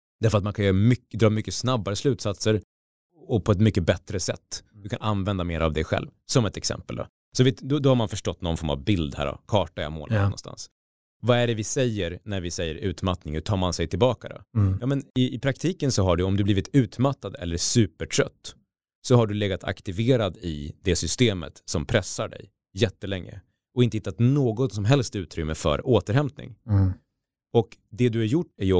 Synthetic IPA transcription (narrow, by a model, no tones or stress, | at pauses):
d̪æɾfœɾat̪mankʰanjœːɾmʏkd̪ɾɑːmʏkːəsnabːaɾəslʉ̟ːt̪sat̪səɾ | ɔpʰɔɛt̪mʏkːəbɛt̪ɾəsɛ̰t̪ːd̪ɵkʰanʔa̰nvɛnd̪ameːɾa̰vd̪ɛɧɛ̰lvsɔmɛt̪ɛksɛ̰mpəld̪ɔ̰ | sɔvɪt̪d̪ɔd̪ɔhaɾmanfœʂʈɔt̪ːnɔnfɔɾma̰vbɪld̪hæ̰ɾɖɔ̰kʰɑːʈaja̰mo̰ːlɔ̰nst̪a̰ns | vaæɖɛvɪsɛjːəɾnæɾvɪsɛjːəɾʉ̟ːt̪mat̪nɪŋət̪ʰɑːɾmansɛjt̪ʰɪlbɑːkad̪ɔ̰jɑːmɛnɪɪpʰɾakt̪ʰiːkənsɔɦaɖɵɔmd̪ɵbliːvɪt̪ʰʉ̟ːt̪mat̪ːad̪ɛ̰lːəɾsʉ̟ːpəʈʰɾœt̪ː | sɔɦaɖɵleːɡat̪ʰa̰kt̪ɪveːɾad̪ɪd̪ɛsʏst̪eːmə̰t̪sɔmpʰɾɛsːaɖɛ̰j | jɛt̪ːəlɛŋːə̰ | ɔɪnt̪əhɪt̪ːat̪noːɡɔt̪sɔmɦɛlst̪ɪʉ̟ːt̪ɾʏmːəfœ̰ɾoːt̪əɾɦhɛmt̪̚nɪ̰ŋ | ɔkd̪ɛd̪ɵhaɾjʊʈːæj